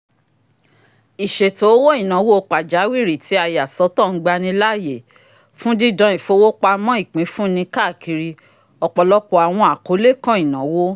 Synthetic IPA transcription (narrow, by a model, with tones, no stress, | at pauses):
i˨ʃe˨to˨˦wo˦i˦˨nã˨˦wo˦o˧˨k͡pa˨d͡ʒa˨˦wi˦˨ɾi˨ti˨˦a˧˨ja˨sɔ˨˦tɔ̃˦˨n̩˦ɡ͡ba˧nĩ˧la˦˨je˨ | fũ˦di˦dã˧i˨fo˧˦wo˦k͡pa˧mɔ̃˦i˦˨k͡pĩ˨˦fũ˦nĩ˧ka˦˨ki˧ɾi˧ | ɔ˨k͡pɔ˨lɔ˦k͡pɔ˨a˨w̃ɔ̃˧a˨ko˨˦le˦˨kã˦i˨nã˨˦wo˦